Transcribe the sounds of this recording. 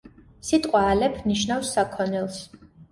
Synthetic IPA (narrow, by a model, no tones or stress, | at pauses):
sit̪ʼqʼwaːlɛpʰniʃnafsːakʰɔnɛlˠs